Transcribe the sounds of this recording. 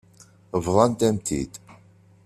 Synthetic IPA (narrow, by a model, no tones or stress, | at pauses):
əvðˤɑnt̪æmt̪ḭd̪